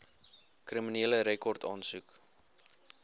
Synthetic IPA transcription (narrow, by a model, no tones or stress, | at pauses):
kriminiələɾekɔrtʰɑːnsuk